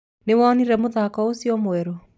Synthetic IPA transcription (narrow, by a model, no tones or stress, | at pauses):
newaɔniɾɛmoðakɔosiɔmoɛɾɔ